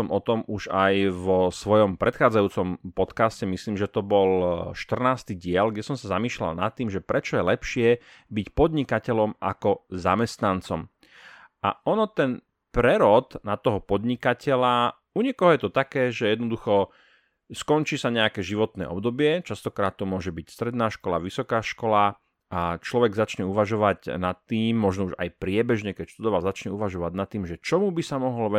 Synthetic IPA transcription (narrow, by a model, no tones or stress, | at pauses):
ɔmʔɔt̪ɔmuʒajʋɔsʋɔjɔmpɾɛt̪xaːd͡zajuːt͡sɔmpɔt̪kascɛmisliːmʒɛt̪ɔbɔlʃt̪r̩naːst̪iːɟɪɛlɡɟɛsɔmsazamiːʃla̰lna̰t̪ːiːmʒɛpɾɛt͡ʃɔjɛlɛpʃɪɛ | bicpɔd̪ɲikacɛʎɔmʔa̰kɔza̰mɛst̪nant͡sɔm | a̰ɔnɔt̪ɛn | pɾɛɾɔd̪nat̪ɔɦɔpɔd̪ɲikacɛla | uɲɛkɔɦɔjɛt̪ɔt̪akɛːʒɛjɛd̪nɔd̪uxɔ | skɔnt͡ʃiːsaɲɛakɛːʒiʋɔt̪nɛ̰ːʔɔ̰bd̪ɔbɪɛt͡ʃast̪ɔkɾaːt̪ːɔmʊɔʒɛbicst̪ɾɛd̪naːʃkɔla̰ʋisɔkaːʃkɔla | at͡ʃlɔʋɛɡzat͡ʃɲɛuʋaʒɔʋaɟnat̪ːiːmːɔʒnɔuʒa̰jpɾɪɛbɛʒɲɛkɛcʃt̪ud̪ɔʋalzat͡ʃɲɛuʋaʒɔʋaɟnat̪ːiːmʒɛt͡ʃɔmubisamɔɦɔlʋɛ